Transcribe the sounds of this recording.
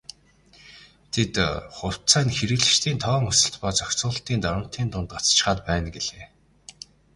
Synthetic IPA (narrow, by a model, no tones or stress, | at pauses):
t̪ʰet̪χʊw̥t͡sæːnxeɾɘ̆ɣɮɘ̆ʃt̪ʰiːnt̪ʰɔːŋɵsɘ̆ɬt̪pɔːt͡sœkʲt͡sʊːɬt̪iːnt̪ɔɾə̆m̥t̪ʰiːnt̪ʊnt̪ɢat͡st͡ɕ̆χaːt̪̚pæːnɡeɮeː